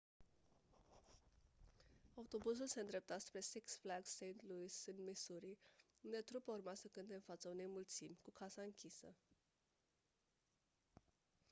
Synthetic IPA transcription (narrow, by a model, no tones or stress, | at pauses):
aut̪o̞bus̬ulse̞ɨnd̪ɾe̞p̚t̪at̪spɾe̞siksflaɡsːejnt̪lujsɨnd̪misuɾiund̪e̞t̪ɾupaurmasəkɨnt̪e̞ɨnfat̪səune̞jmult̪simʲkukʰasaɨŋkʲʰisə